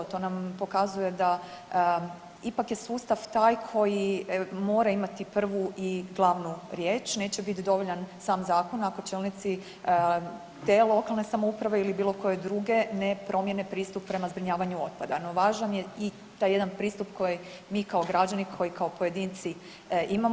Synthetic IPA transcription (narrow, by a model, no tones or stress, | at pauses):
t̪o̞ːnampo̞kazuje̞d̪a | ipakjesuːst̪aʋt̪aːjkʰo̞jimo̞ːɾaimat̪ipr̩ʋuʔiɡlˠaːʋnuɾje̞ːt͡ʃne̞ːt͡ɕe̞bit̪d̪o̞ʋoʎansaːmzaːko̞nako̞t͡ʃeːlnit̪si | t̪e̞lˠo̞kalˠne̞samoupɾaʋe̞ilibiːlˠo̞ko̞je̞d̪ɾuɡe̞nepɾʔo̞mje̞nepɾiːst̪uppːɾe̞mazbɾiɲaːʋaɲuo̞t̪̚pad̪ano̞ʋaːʒanjei | t̪aje̞d̪anpɾiːst̪upkʰo̞ji | miːkaoɡɾad͡ʒanikʰo̞jikʰaopoje̞d̪iːnt̪si | ima